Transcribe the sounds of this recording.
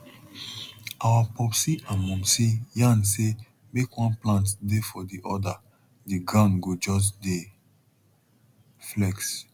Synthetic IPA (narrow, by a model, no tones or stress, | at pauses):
awapɔpsiʔãnmɔ̃msijãnse | mekwɔ̃nplãntdefɔdiʔɔda | diɡɹãʊ̃nɡod͡ʒɔs̬de | flɛks